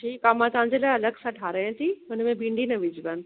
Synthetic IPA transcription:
ʈʰiːkːamãt͡ɕaɦə̃ɲd͡ʑelaːɐləɡsãʈʰaːɾaːjãt̪ʰiɦʊnəmẽbĩːɳɖinɐʋɪd͡ʑʱiban̆

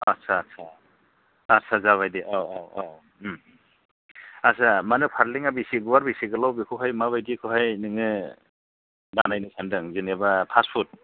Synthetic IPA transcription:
asʰasʰa | asʰazaβajdiʔawawaw | asamanɯpʰaɾliŋabisiɡuwaɾbisiɡɯlawbikʰɯɦajmaβajdikʰɯɦajnɯŋɯ | danajnɯkʰandɯŋzɯnebapʰaspʰut̚

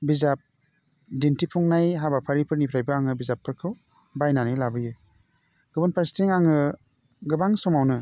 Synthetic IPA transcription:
bizap̚ | dintipʰuŋnajɦabapʰaɾipʰɯɾnipʰɾajbɯaŋɯbizapʰːɯɾkʰɯw | bajnanajlabɯjɯ | ɡ̥ɯbɯnpʰaɾstiŋaŋɯ | ɡɯbaŋsɔmawnɯ

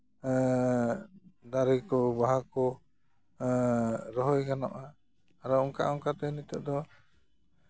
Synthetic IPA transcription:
d̪aɾikɔbaɦakɔ | ɾɔɦɔjɡanɔ̰ʔaː | ɾɔɔŋka̰ʔɔŋkat̪ɛnit̪ɔʔd̪ɔ

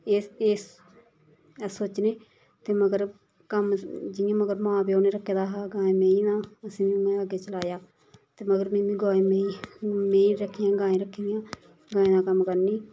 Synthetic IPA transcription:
eːeːs | soːt͡ʃneː | t̪eːməɡəɾ | kəmd͡ʒɪjãːməɡəɾmãːbiːoːneːɾəkʰːeːd̪aːɦaːɡãːẽːmẽːĩːnãːəsĩːmĩːmɛ̃əɡeːt͡ʃəlaːjaː | t̪eːməɡəɾmĩːmĩːɡaːẽːmẽmẽːĩːɾəkʰːijãːɡãːẽːɾəkʰːiːd̪ijãː | ɡaːẽːd̪aːkəmkəɾniː

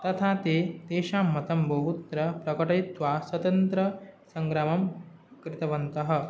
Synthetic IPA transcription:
t̪ɐt̪ʰaːt̪eːt̪eːʃaːmːɐt̪ɐmbʱoɦut̪ɾɐpɾɐkɐʈɐjt̪ʋaːswɐt̪ɐnt̪ɾɐsɐŋɡɾaːmɐm | kɾɪt̪ɐʋɐnt̪ɐɦɐ̆

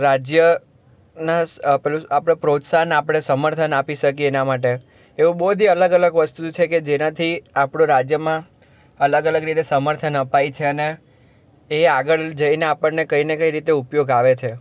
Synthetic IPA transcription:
ɾad͡ʒjə | napapɽ̃epɾot̪saɦnapɽ̃esəməɾt̪ʰənapiʃəkienamaʈ̬e | eũboɦd̪ʱiələɡələɡʋəst̪ut͡ʃʰeked͡ʒenat̪ʰiapɽ̃õɾad͡ʒjəmã | ələɡələɡɾit̪esəməɾt̪ʰənəpajt͡ʃʰeəneː | aɡəɭd͡ʒəineapəɳnekəinekəiɾit̪eupjoɡaʋet͡ʃʰe

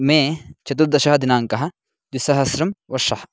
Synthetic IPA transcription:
mẽːt͡ʃɐt̪̬uɾd̪ɐʃɐɦɐd̪inaːŋkɐɦɐ | d̪isɐɦɐsɾɐmʋɐʃɐh

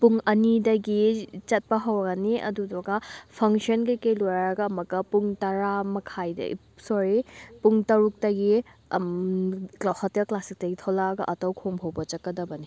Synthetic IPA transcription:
puŋɐnidɐɡit͡ʃɐt̚pɐɦɐwɐɡɐniʔɐ̰dudɔɡɐpʰɐŋʃiɔnkɐjkejlojɾaɾɐɡɐːmɐkːɐpuŋtɐɾamɐkʰajdɐ̰ḭ | sɔɾipuŋtɐɾuk̚tɐɡi | klawhɐtjɐklasik̚tɐɡitʰolaɡɐʔɐtɐwkʰoŋpʰowbɐt͡ʃɐkːɐdɐbɐni

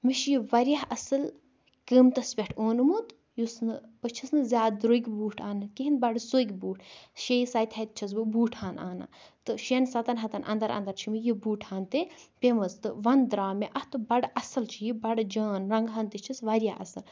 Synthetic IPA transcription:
miʃjiʋɐɾʲjaɦɐsɨl | kəmt̪ɐspʲeʈʰoːnɨmut̪ | jusnɨpɨt͡ʃʰisnɨzʲaːd̪̚d̪ɾoːikʲbuːʈʰaːnɨkiɦinbɐɖsoikʲbuːʈʰʃejisaːjt̪ʰʲɐjt̪̚t͡ʃʰɐz̬bɨbuːʈʰhaːnʔa̰ːna̰t̪ɨʃensɐt̪ɐnɦɐt̪ɐnʔɐ̰nd̪ɐɾɐ̰nd̪ɐɾt͡ʃʰimijibuːʈʰhaːnt̪epʲemɐzt̪ɨʋɐnd̪ɾaːmeʔɐht̪ɨbɐɖʔɐsɨlt͡ʃʰijibɐɖd͡ʒaːnɾɐŋɡɦɐːnt̪it͡ʃʰisʋɐɾʲjaɦɐ̰sɨl

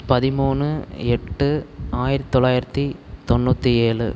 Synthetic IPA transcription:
pɐðɪmuːnɯɛʈːɯaːjɪɾɐt̪t̪ːɔɭːaːjɪɾɐt̪ːit̪ɔnːuːt̪ːieːɭɯ̰

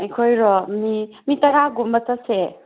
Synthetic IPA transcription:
ɐjkʰojɾɔmi | mitɐɾaɡumətase

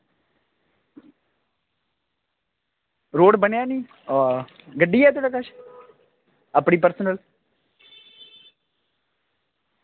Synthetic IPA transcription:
ɾoːɽbənjaːniː | ɡəɖːiːɛːt̪oːɽaːkəʃ | əpɽiːpəɾsənəl

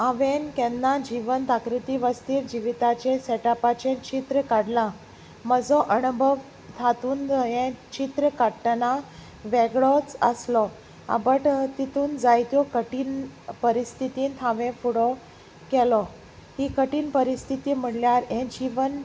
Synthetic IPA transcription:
aʋenkɛnːad͡ʑiʋənt̪akɾit̪iʋəst̪iːɾd͡ʑiʋit̪at͡ɕesɛʈapat͡ɕẽt͡ɕit̪ɾəkaɽlã | məd͡zɔʔəɳbʱəʋ | t̪ʰat̪uːnd̪əjẽt͡ɕit̪ɾəkəʈna | ʋeɡɭɔt͡sə̰slɔ | a̰bəʈt̪it̪uːnd͡zajt̪jɔkəʈiːnpəɾist̪ʰit̪iːnt̪ʰaʋɛ̃fuɽɔ | kɛlɔ | hikəʈiːnpəɾist̪ʰit̪iːm̤əɽljaɾɛ̃d͡ʑiʋən

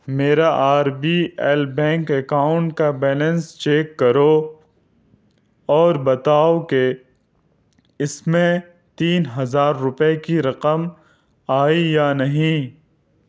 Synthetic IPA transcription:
meːɾaʔaːɾbielbɛ̃ːŋkɐkaːʊ̃ɳʈkabɛːlə̃nst͡ʃeːkːɐɾo | ɔːɾbɐt̪aːoke | ɪsmẽ | t̪iːnɦɐzaːɾːʊpekiɾɐqəm | aːijanɐɦĩ

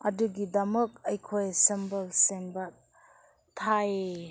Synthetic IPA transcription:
ɐduɡidɐmək̚ɐjkʰojsɐmbəlsenbɐ | tʰaje

